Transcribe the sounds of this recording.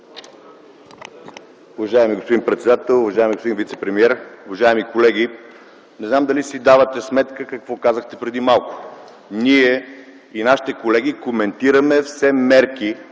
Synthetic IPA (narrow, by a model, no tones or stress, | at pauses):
ʊvɐʒajɛmiɡospod̪inpɾɛt̪sɛd̪at̪ɛlˠʊvɐʒajɛmiɡospod̪invit̪sɛpɾɛmiɛɾʊvɐʒaɛmikolɛɡ̟i | nɛznamd̪ɐlisid̪avət̪ɛsmɛt̪kəkɐkvɔkazəxt̪ɛpɾɛd̪imalˠkʊ̥ | niɛ | inaʃi̥t̪ɛkolɛɡikomɛnt̪iɾəmɛfsɛmɛɾki